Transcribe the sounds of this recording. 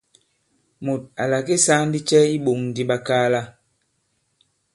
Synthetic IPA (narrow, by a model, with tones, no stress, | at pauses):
mo˨t̚a˨la˨ke˦sa˦n˦di˦t͡ʃɛ˦i˦ɓo˨ŋn˨di˦ɓa˦kaː˦la˦